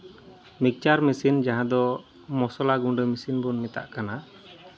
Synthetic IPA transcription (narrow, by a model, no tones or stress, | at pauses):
mik̚t͡ʃaɾmisind͡ʒaɦãd̪ɔ | mɔsɔlaɡuɖəmisinbɔnːɛt̪a̰ʔkana